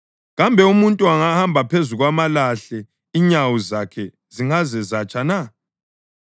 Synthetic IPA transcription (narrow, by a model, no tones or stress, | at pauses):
ɣambʱɛumuntʼuaŋahambʱapʰezuɣwamalaɬɛ | iɲawuzakʰɛ | ziŋazɛzat͡ʃʼana